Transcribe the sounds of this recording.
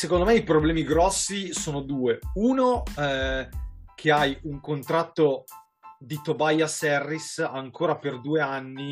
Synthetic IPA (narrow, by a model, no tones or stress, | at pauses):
sekond̪omɛipɾoblɛːmiɡɾɔsːisoːnod̪uːeuːno | kʰeajuŋkont̪ɾat̪ːo | d̪it̪obajasɛrːisaŋkʰoːɾaperd̪uːeanːi